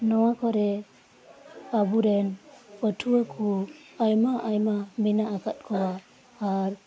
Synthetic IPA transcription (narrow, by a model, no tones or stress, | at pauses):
nɔwakʰɔɾɛ | abuɾɛnətʰuakʰuajmaʔajmamɛnaːkat̚kʰɔaː | ɾ